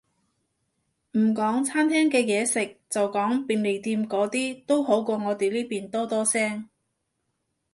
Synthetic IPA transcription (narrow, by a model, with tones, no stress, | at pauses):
m̩˨˩kɔː˨˥ŋt͡sʰaː˥nt̪ʰɛː˥ŋkɛː˧jɛː˨˧sɪ˨k̚t͡sɐ˨wkɔː˨˥ŋpiː˨˩nle˨˩jt̪iː˧mkɔː˨˥t̪iː˥t̪o˥wɦo˨˥wkɔː˧ŋɔː˨˧t̪e˨jliː˥piː˨˩nt̪ɔː˥t̪ɔː˥sɛː˥ŋ